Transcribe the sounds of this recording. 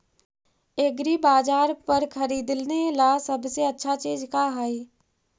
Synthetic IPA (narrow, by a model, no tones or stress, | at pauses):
eːɡɾibaːd͡ʒaːɾpəɾkʰɐɾiːd̪lnelasɐbseɐtːʃʰat͡ʃiːd͡ʒkaɦaiː